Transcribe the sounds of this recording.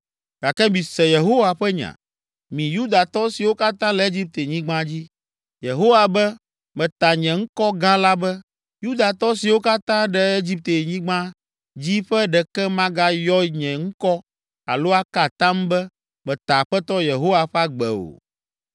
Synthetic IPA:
ɡ̥a˨kɛ˦mĩ˨sɛ˨je˨ɦo˦wa˨ɸɛ˦ɲã̰˨ | mĩ˨ju˦d̪a˨t̪ɔ˦si˨wo˦ka˦t̪ã˦lɛ˨˦e˦d͡ʑi˦p̚t̪e˨ɲĩ˦ɡ͡bã˦d͡ʑi˦ | je˨ɦo˦wa˨bɛ˦ | mɛ̃˨t̪a˨ɲɛ̃˨ŋ̩˦kɔ˦ɡã˦la˦bɛ˦ | ju˦d̪a˨t̪ɔ˦si˨wo˦ka˦t̪ã˦ɖɛ˨e˦d͡ʑi˦p̚t̪e˨ɲĩ˦ɡ͡bã˦ | d͡ʑi˦ɸɛ˦ɖɛ˨kɛ˦mã˦ɡa˦jɔ˦ɲɛ̃˨ŋ̩˦kɔ˦ | a̰˨lo˦a˦ka˨t̪ã˦mbɛ˦ | mɛ̃˨t̪a˨ɸɛ˦t̪ɔ˦je˨ɦo˦wa˨ɸɛ˦a˦ɡ͡bɛ̰˨o̰˨

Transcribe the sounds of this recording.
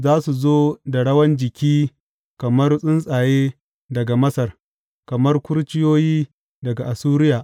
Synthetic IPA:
zaː˦su˨zoː˦da˨ɽɐ˦wɐ˦nd͡ʒɪ˨kʲiː˦ | kɐ˨mɐ˦rsʼɪ˦nsʼaː˨jeː˦ | dɐ˨ɡa˨mɐ˦sɐ˨r | kɐ˨mɐ˦rkʷʊ˦ɾt͡ʃɪ˦joː˦jiː˦ | dɐ˨ɡa˨ʔa˨suː˦ɾɪ˦jaː˨ʔ

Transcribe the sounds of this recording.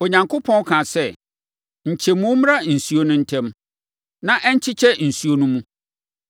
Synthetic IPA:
o˨ɲã˨ŋkʰo˦pʰɔ̃˦n˦kʰã˨sɛ˦˨ | ɲ̩˨t͡ɕʰɛ˨mũ˦m˦a˦n̩˨su˦o˦nʊ̃˦n̩˦tʰɛ̃˦m | nã˨ʔɛ˦ɲ̩˦t͡ɕʰɪ˦t͡ɕʰɛ˦n̩˨su˦o˦nũ˦mũ˦

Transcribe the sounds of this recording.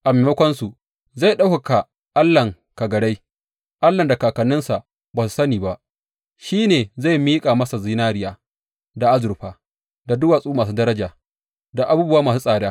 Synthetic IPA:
ʔa˨meː˨mɐ˦kʷɔ˦nsu˨ | za˦˨jɗa˦wka˨ka˨ | ʔa˦lːɐ˨ŋ | ka˨ɡɐ˨ɽa˦j | ʔa˦lːɐ˨nda˨kaː˨kɐ˨nɪ˦nsa˨ʔ | baː˨s̬u˨sɐ˦niː˨ba˦ʔ | ʃiː˦neː˨za˦˨jmiː˦kʼaː˨mɐ˦sa˨ziː˦naː˦ɾɪ˦jaː˦ | da˨ʔa˦zʊ˨ɾɸaː˨ | da˨dʊ˦waː˨sʼuː˦maː˨s̬uː˦dɐ˦ɾɐ˦d͡ʒaː˨ | da˨ʔa˨buː˦bʊ˦waː˦maː˨su˦sʼaː˨daː˦

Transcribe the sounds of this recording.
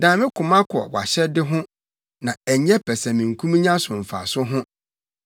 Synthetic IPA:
dãː˨mɪ̃˦kʰʊ˨mã˦kʰʊ˨ɔ̰˨wa̰˨ɕɛ˦dɪ˦ɦʊ̃˦ | nã˨æ˨ɲɛ˦pʰɛ˨sã˨mĩ˨ŋ̩˨kʰũ˦m˦ɲã˦sʊ̃˨m̩˨fa̰˨sʊ˦ɦʊ̃˦

